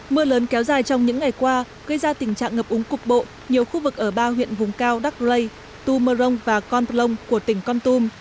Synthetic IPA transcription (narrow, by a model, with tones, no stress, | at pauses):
mɨ˧ələː˨˦nkɛ˨˦wzaː˨˩jt͡ɕɔ˧wŋ͡mɲɨ̰˧˥ŋːa˨˩jkwaː˧ | ɣə˧jzaː˧t̪ï˧˩ŋ̟t͡ɕa̰ː˧˨ŋəː˨˩p̚ʔʊ˨˦ŋ͡mkʊ˨˩k͡p̚ɓo̰˧˨ | ɲi˨˩əwxu˧vɨ˨˩k̚ʔəː˧˩ɓaː˧hwḭ˧˨ənvʊ˨˩ŋ͡mkaː˧wɗa˦˥k̚lə˧j | t̪u˧məː˧zə˧wŋ͡mvaː˨˩kɔ˧nlə˧wŋ͡mku˧˩ət̪ï˧˩ŋ̟kɔ˧nt̪u˧m